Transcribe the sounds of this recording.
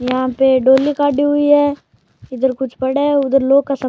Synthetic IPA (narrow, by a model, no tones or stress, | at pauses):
jɐɦãpeɖoːlikaːɖiɦʊiɦɛː | ɪd̪əɾkʊt͡ʃʰpɐɽeʊd̪əɾloːɡ̚kasɐ